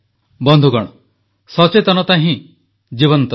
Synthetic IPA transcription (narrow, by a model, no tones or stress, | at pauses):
bɔnd̪ʱuɡɔɽ̃ɔ | sɔt͡ʃet̪ɔnɔt̪aɦĩ | d͡ʒiβɔnt̪ɔ